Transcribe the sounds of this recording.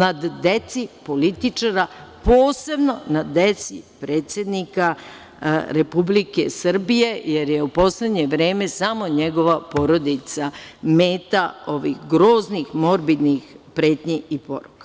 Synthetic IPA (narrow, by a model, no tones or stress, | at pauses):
nad̪d̪e̞t̪sipo̞lit̪it͡ʂaɾapo̞ːse̞bno̞nad̪e̞t̪sḭpɾe̞ːt̪sʲje̞d̪nika | ɾepublike̞̰sr̩bije̞jeɾjeupo̞sle̞d̪ɲe̞ʋɾe̞ːme̞samo̞ɲeɡo̞ʋapo̞ɾo̞d̪it̪same̞ːt̪ao̞ʋḭxɡɾo̞ːznixmo̞ɾbid̪nixpɾe̞ːt̪ɲeipo̞̰ɾukḁ